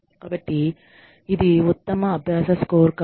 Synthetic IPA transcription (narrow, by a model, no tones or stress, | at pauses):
kaːbɐʈːi | id̪iut̪ːɐmɐːbʱjaːsɐskoːɾkɐ